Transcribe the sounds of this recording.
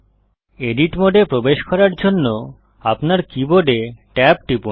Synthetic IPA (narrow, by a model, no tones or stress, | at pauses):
eɖiʈmoɖepɾobeʃkɔɾaɾd͡ʑonːo | apnaɾkiboɖeʈɛp̚ʈipu